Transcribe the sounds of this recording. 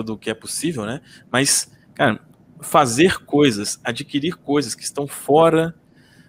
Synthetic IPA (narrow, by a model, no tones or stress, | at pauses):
od̪ʊːkɪɛposivewnɛ | mɐs | kaɾɐ | fazeɾkojzɐsad͡ʒikiɾiɾkojzɐskɪst̪ɐ̃w̃fɔɾɐ